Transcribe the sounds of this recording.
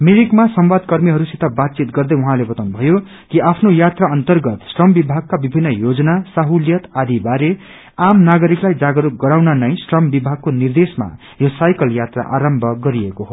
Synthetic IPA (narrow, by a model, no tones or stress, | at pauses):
meɾikmasʌmwad̪kʌrmiɦʌɾusit̪ʰʌbat̪̚t͡sit̪ɡʌrd̪ʌjuɦãlebʌt̪awnubʱʌjo | kiʔapʰnojat̪raʌnt̪ʌrɡʌt̪sʈrʌmbibʱaɡ̚kabibʱinːʌjod͡zʌnasaɦuljʌt̪ad̪ʱibaɾe | amnaɡʌɾiklajd͡zaɡʌɾuɡʌɾawnʌnʌjsʈrʌmbibʱaɡ̚konird̪esma̰ | josajkʌljat̪ra̰ʔa̰ɾʌmbʱʌɡʌɾiekoɦo